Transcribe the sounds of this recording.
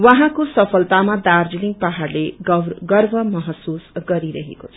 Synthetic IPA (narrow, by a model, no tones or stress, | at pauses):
wʌɦãkosʌpʰʌlt̪amad̪ard͡ziliŋɡ̚paɦarleɡʌɡʌrbʱʌmʌɦʌsusɡʌɾiɾʌɦḛkot͡sʰʌ̥